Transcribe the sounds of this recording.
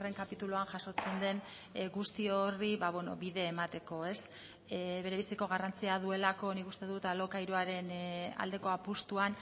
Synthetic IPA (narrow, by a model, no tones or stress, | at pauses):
re̞ŋkapit̪uluanʝaso̞t͡se̞nd̪e̞n | ɡust̪ioriβaβweno̞̰βiðe̞ːmat̪e̞ko̞e̞s | βe̞ɾe̞βisiko̞ɣ̞arant͡siaðue̞lako̞nikust̪e̞ðut̪alo̞kaiɾuaɾe̞na̰ld̪e̞ko̞apust̪uan